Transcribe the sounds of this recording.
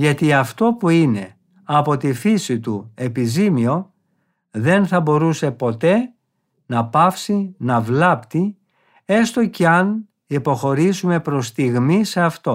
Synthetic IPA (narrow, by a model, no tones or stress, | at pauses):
ʝɐt̪iɐft̪o̞puine̞ | ɐpo̞t̪ifisit̪ue̞pizimio̞ | ðe̞nθɐbo̞ɾuse̞po̞t̪e̞ | nɐpɐfsinɐvlɐpt̪i | e̞st̪o̞ceɐn | ipo̞xo̞ɾizume̞pɾo̞st̪iɣmise̞ɐft̪o̞